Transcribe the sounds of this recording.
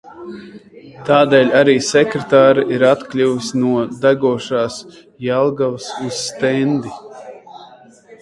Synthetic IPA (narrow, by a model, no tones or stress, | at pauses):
t̪aːd̪ɛːlʲaɾiːsɛkɾet̪aːɾiʔiɾat̪klʲuvisnuɔd̪aɡuɔʃaːs | jalˠɡavsuz̥ːt̪ɛnd̪i